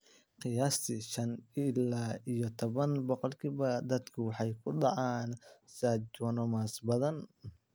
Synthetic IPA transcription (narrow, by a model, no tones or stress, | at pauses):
qɨjaːst̪ʰɪʃɐnɪlaːijɔt̪ʰɔβɐnbɔqɔlkʰiːβɐd̪ɐd̪kʰʊwɑħɑjkʰʊɖɑʕɑːnsad͡ʒwɐnɔmaːsbɐðɐn